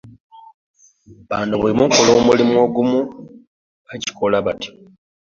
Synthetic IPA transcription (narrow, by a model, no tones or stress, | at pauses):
βaːndoβulimuŋkolo̞ːmulimwo̞ɡumu | βaci̥ko̞laβati̥